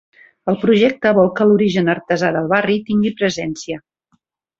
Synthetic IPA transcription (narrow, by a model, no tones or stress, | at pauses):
əlˠpɾuʒɛk̚t̪əβɔlˠkəluɾiʒənəɾt̪əzaðəlˠβarit̪iŋɡipɾəzɛnsiə